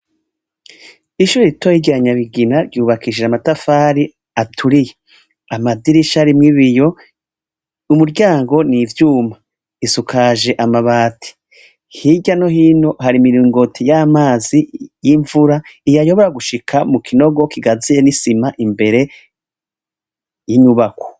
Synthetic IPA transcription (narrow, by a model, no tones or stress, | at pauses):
iʃuɾiitojiɟaɲaβiɡinaɾɟuːβakiʒeamatafaːɾi | atʰuɾije | amadiɾiʃaɾimŋiβijo̞ | umuɾɟaːŋɡo̞nivjuːma | isukʰaʒe̞ʔamaβaːtʰi̥ | hiɟano̞hiːnoɦaɾimiɾiːŋɡo̞tʰijamaːzijiɱvuɾaijajo̞βo̞ɾaɡuʃikʰamukʰino̞ɡo̞kiɡazijenisimaʔimbe̞ɾe̞ | jiɲuβakwo̥